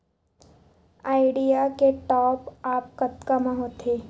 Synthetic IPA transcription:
aːɪɖijakeʈɔːpaːp̚kɐt̪kamãɦot̪ʰeː

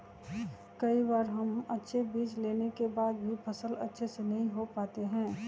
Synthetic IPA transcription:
kɐibaːɾɦɐmɐtːʃʰebiːt͡ʃleːnekebaːd̪̚bʱipʰɐsəlɐtːʃʰesenɐɦĩɦopaːt̪eɦɛ̃ː

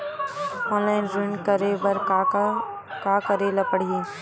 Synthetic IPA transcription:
ɔ̃ːnlaːɪnzʊ̃ɳɖkəɾebɐɾ | kaːkɐɾeːlapəɽ̤ii

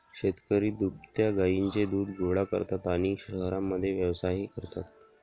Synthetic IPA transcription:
ɕet̪kəɾiːd̪upt̪jaɡaint͡sed̪uːd̪ɡʱoʋɽakə̰ɾt̪at̪añiːɕəɦɾamːəd̪ʱːjeʋjəʋsaɦikəɾt̪at̪̚

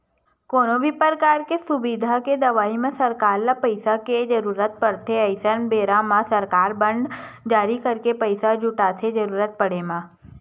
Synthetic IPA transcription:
koːnobʱipəɾkaːɾkesʊbid̪ʱaked̪ɐʋaːimẽsɐɾkaːɾlapəɪsaked͡ʒɐɾuːɾət̪̚pɐɽt̪ʰeəɪsənbeːɾãmãsɐɾkaːɾbə̃ɳɖ | d͡ʒaːɾikɐɾkepəɪsad͡ʒʱʊʈat̪ʰed͡ʒɐɾuːɾət̪̚pɐɽemãː

